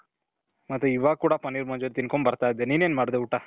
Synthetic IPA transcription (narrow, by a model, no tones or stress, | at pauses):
mɐt̪ːɾuiʋaːɡ̚kuːɽapɐnːiɾmɐːɲd͡ʒeɾit̪inkombɐɾt̪aːjid̪ːeniːneːnmaːɽd̪euʈːa